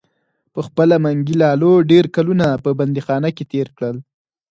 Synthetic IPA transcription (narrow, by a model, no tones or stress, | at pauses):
pəxpəlamaŋɡilɑloɖeɾkalunapəband̪ixɑnaket̪eɾkɽəl